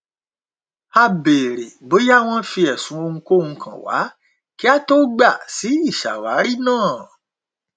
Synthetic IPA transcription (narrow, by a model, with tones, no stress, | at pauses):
a˧be˨ɾe˨bo˨˦ja˦˨w̃ɔ̃˧fi˧ɛ˨sũ˨˦o˧ŋ̩̃˧ko˦ŋũ˧kʰã̰˨wa̰˨˦ | ki˦a˦to˦ɡ͡ba˦˨si˨˦i˦˨ʃa̰˨wa̰˨˦ɾi˦˨nãː˦˨